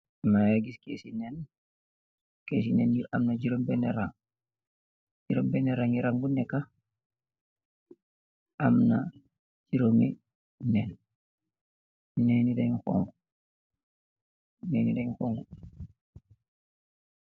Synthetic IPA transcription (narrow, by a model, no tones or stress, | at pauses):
majaɡiskeːsinɛn | kesinɛniamnad͡ʒiɾombeneɾaŋ | ɟiɾombɛneɾaŋiɾaŋbunɛkːa | ʔamna | d͡ʒiɾoŋe | nɛn | nenidajxo̰ŋɡu | nenidaxoːŋɡu